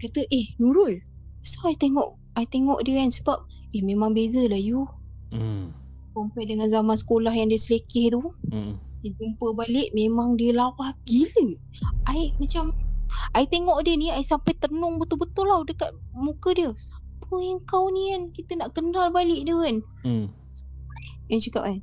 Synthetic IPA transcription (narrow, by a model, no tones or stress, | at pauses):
kat̪əʔehnuɾʊl | soait̪eŋɔ̰ʔ | aiʔt̪eŋɔ̰ʔdiəansəbap̚ | ehmemaŋbezəlaju | kampajdəŋanzamansə̥kolahjaŋdiəsəlekɪht̪u | dəd͡ʒumpəbalɪʔmemaŋdiəlawahɡilə | aiʔmat͡ʃamaiʔt̪eŋɔʔdiəniaiʔsampajt̪ənʊŋbət̪ʊlbət̪ulawdəkat̪̚mukədiəsa | pʰəəŋkawniankit̪ənaʔkənalbalɪʔdəən | sə̥ajjaŋt͡ʃakap̚an